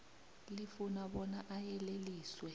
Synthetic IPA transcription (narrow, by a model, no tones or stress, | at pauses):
lifunaɓɔnaʔajɛleliːswɛ